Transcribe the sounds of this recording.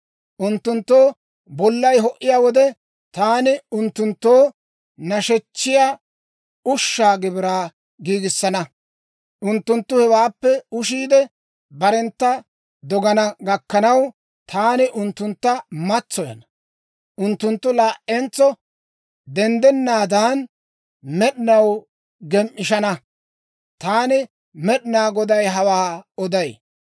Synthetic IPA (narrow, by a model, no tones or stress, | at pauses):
ʔʊnt̪ːʊnt̪ːo̞ː | bɔlːɐjɦɔʔɪjaːwɔd̪ɛ | t̪aːnɪʊnt̪ːʊnt̪ːoː | nɐʃɛt͡ʃːɪjaː | ʊʃːaːɡɪbɪɾaː | ɡiːɡɪsːɐnɐ | ʔʊnt̪ːʊnt̪ːʊhɛwaːpːɛʊʃiːd̪ɛ | bɐɾɛnt̪ːɐ | d̪ɔɡɐnɐɡɐkːɐnɐw | t̪ʰaːnɪʔʊnt̪ːʊnt̪ːɐmɐt͡sːɔjɐ̰nɐ | ʔʊnt̪ːʊnt̪ːʊlaːʔɛnt͡sːɔ | d̪ɛnd̪ɛnːaːd̪aːn | mɛɗɪnɐw | ɡɛmʔɪʃɐnɐ | t̪aːnɪ | mɛɗɪnaːɡɔd̪ɐjɦɐwaːɔd̪ɐj